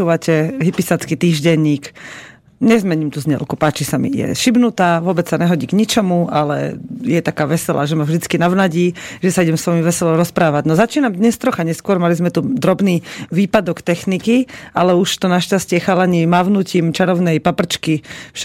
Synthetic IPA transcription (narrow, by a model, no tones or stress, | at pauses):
uːʋacɛɦipisat͡skit̪iːʒɟɛɲiːk | ɲɛzmɛɲimt̪uzɲɛ̰lkupaːt͡ʃisamḭjɛ̰ʃibnut̪aːʋʊɔbɛt͡ssaɲɛɦɔɟiːɡɲit͡ʃɔmualɛ̰jɛt̪akaːʋɛsɛla̰ʒɛmavʒd̪it͡skinaʋnaɟiːʒɛsaiɟɛmsʋɔjimʋɛsɛlɔɾɔspɾaːʋaɟnɔzat͡ʃiːnamd̪ɲɛst̪ɾɔxaɲɛskʊɔɾmalizmɛt̪ud̪ɾɔbniːʋiːpad̪ɔkt̪ɛxnikialɛuʃt̪ɔnaʃcascɪɛxalaɲɛmaʋnuːciːmt͡ʃaɾɔʊnɛjpapr̩t͡ʃkiʃ